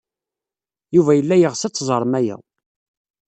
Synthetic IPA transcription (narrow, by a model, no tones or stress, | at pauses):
juvæjəlːæjəʁsæt͡sːzˤəɾˤmæjæ̰